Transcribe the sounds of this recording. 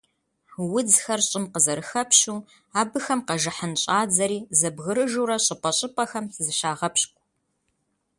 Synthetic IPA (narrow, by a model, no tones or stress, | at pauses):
wʊd͡zxɐrɕʼɪmqəzɐɾɨxɐpɕuː | aːbɨxɐmqɐʒɨħənɕʼaːd͡zɐɾiːzɐbɣɨɾɨʒuɾɐɕʼɪpʷʼɐɕʼɪpʼɐxɐmzɨʃaːʁɐpɕkʷʼ